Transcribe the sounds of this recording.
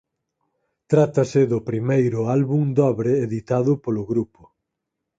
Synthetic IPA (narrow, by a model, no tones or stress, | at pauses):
t̪ɾat̪ɐsɪðʊpɾimejɾʊalβuŋd̪ɔβɾɪːðit̪aðʊpolʊɣɾupʊ̥